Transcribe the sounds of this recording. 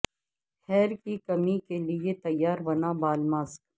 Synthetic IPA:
hɛːɾkikɐmikeliet̪ɐjːaːɾbɐnabaːlmaːsk

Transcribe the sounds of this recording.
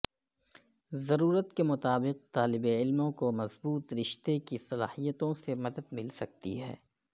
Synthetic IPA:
zɐɾuːɾət̪kemʊt̪aːbɪq̚t̪aːlɪbeɪlmõkomɐzbuːt̪ɾɪʃt̪ekisɐlaːhijət̪õsemɐd̪əd̪̚mɪlsɐk̚t̪ḭɦɛ̰ː

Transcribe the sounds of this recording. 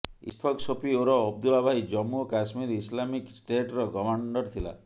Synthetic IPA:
ḭspʰɔksʰopioɾɔːb̚d̪ulabʱajd͡ʒɔmuɔkasmiɾislamiksʈeʈɾɔkɔmaɳɖɔɾt̪ʰila̰

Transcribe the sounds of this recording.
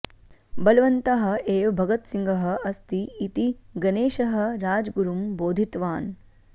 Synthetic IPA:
bɐlɐʋɐnt̪ɐɦɐ̆eːʋbʱɐɡɐt̪siŋɡʱɐɦɐ̆ɐst̪iːt̪iɡɐneːʃɐɦɐ̆ɾaːd͡ʒɡuɾumboːd̪ʱit̪ʋaːn

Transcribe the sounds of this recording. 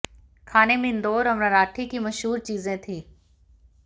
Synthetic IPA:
kʰaːnemẽɪ̃nd̪oːɾɐmɾaɾaːʈʰikimɐʃɦuːɾt͡ʃiːzẽt̪ʰĩː

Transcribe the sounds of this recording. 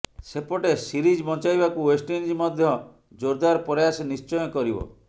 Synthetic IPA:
sepɔʈesiɾid͡ʒbɔnt͡ʃajbakuwesʈend͡ʒimɔd̪ʱjɔ | d͡ʒoɾd̪aɾpɔɾjasnist͡ʃɔjɔkɔɾibɔ̰

